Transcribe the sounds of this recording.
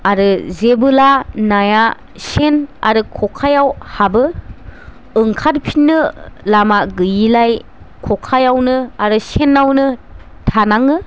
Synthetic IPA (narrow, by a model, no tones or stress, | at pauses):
aɾɯzebɯlanaja | sena̰ɾɯkʰɔkʰajawhabɯ | ɯŋkʰaɾpʰinːɯlamaɡɯjilaj | kʰɔkʰajawnɯaɾɯsenːawnɯ | tʰanaŋɯ